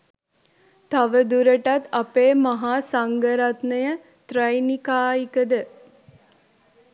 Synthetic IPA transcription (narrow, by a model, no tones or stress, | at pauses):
t̪aʋəd̪uɾəʈat̪apeːmaɦaːsaŋɡəɾat̪nəjə | t̪ɾɐjnikaːikəd̪ə